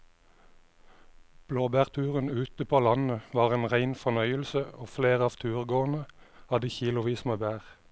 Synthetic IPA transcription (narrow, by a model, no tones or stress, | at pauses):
b̥loːbæːʁt̪ʰʉːʁənʉːt̪əpʰoːlɑnəʋɑːʁeːnʁæɪnfɔnœʏəlsəoːfleːʁɑːʋt̪ʰʉːʁɡoːʁn̩ə | hɑd̪əçiːlʊʋiːsmeːbæːʁ